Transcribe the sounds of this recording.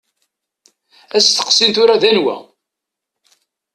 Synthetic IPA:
æst̪ːə̥qsint̪ʊɾaðænwæ̰

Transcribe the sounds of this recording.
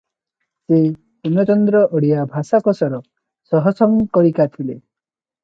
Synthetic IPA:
se | punɔt͡ʃɔnd̪ɾɔʔɔɽiabʱasakɔsɔɾɔ | sɔɦɔsɔŋkɔɾikat̪ʰile

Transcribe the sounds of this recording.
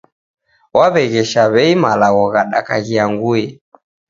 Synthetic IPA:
waβɛɣɛʃaβɛimalaɣɔɣaɗakaɣiaŋɡujɛ

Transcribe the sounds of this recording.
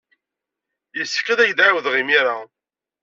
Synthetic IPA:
jəsːə̥kːæðæʝd̪ʕawəðʁimiɾa

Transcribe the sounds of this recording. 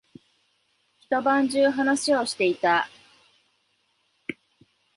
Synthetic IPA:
çi̥t̪o̞bãɲd͡ʑɨːɦanaɕio̞ɕi̥t̪e̞it̪a

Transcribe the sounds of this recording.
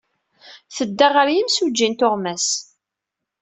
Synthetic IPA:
θəd̪ːaʁəɾjimsud͡ʒːint̪ʊʁmæs

